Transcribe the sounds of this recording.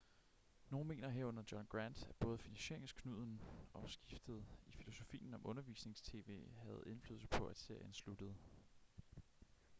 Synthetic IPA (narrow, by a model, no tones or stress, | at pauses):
no̝ːn̩me̝̰ːnɐɦeɐ̰ɔ̽nɐ̥jɒ̽nɡ̥ʁænd̥æb̥ɔ̽ːð̞̩ˠfinænɕe̝ɐ̰eŋskʰnuð̞̰ˠn̩ʔɒ̽sɡ̥ifd̥əð̞̩ˠifilo̝so̝fḭːn̩ɒ̽mʔɔ̽nɐʋḭsne̝ŋst͡sʰe̝̰ːʋe̝̰ːhæð̞̩ˠe̝nfly̰ðˠsɐ̥pʰɒ̽æd̥se̝ɐ̰jənslud̥əð̞̩ˠ